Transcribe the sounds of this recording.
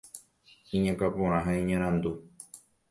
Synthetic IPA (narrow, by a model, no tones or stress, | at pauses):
ĩɲãkapõɾ̃ãɦaĩɲãɾ̃ãnd̪u